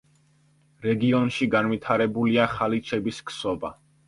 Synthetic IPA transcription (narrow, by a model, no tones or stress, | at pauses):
ɾɛɡiɔnʃiɡanvit̪ʰaɾɛbuliaχalit͡ʃʰɛbiskʰsɔba̰